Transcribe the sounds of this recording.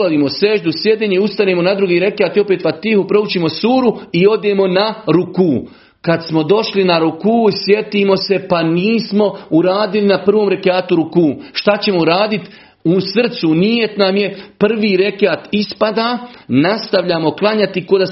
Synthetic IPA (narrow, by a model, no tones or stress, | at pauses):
ad̪iːmo̞se̞ːʒd̪usje̞d̪eːɲeiust̪aneːmo̞nad̪ɾuɡiːɾe̞keaːt̪io̞peːt̪ʋat̪ihupɾo̞ut͡ʃiːmo̞suːɾuio̞d̪eːmo̞naɾukuː | kad̪smo̞d̪o̞ʃlinaɾukuːsje̞t̪iːmo̞se̞paniːsmo̞uɾaːd̪ilinapr̩ʋoːmɾe̞keaːt̪uɾukuːʃt̪at͡ɕe̞mo̞uɾaːd̪it̪ | usr̩t̪sunije̞t̪namje̞pr̩ʋiːɾe̞keaːt̪ispad̪aːnast̪aʋʎaːmo̞klˠaɲat̪iko̞d̪a